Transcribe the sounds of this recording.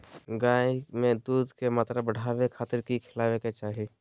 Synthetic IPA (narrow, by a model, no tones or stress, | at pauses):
ɡaːimẽd̪uːd̪kemaːt̪ɾabəɽ̤ʱaːwekʰaːt̪ɪɾkikʰɪlaːweket͡ʃaːɦi